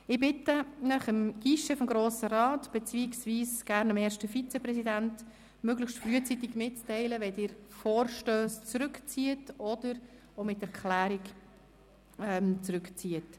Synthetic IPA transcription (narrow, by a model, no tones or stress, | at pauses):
ɪbɪtənəχəmɡ̥iʃəfɔmɡɾoːsəɾɑːtb̥ɛt͡siiksviːsɡ̥æːɾnəmɛːɾʃtəfit͡sɛpɾɛsidænt | møɡləʃtfɾyət͡sitiɡmɪtt͡stɛɪləʋɛd̥ɪːɾfɔːɾʃtøːst͡sɾʏkt͡siːətɔd̥əɾ | omɪtɛɾkχlæːɾik | ɛmt͡sɾʉkt͡siət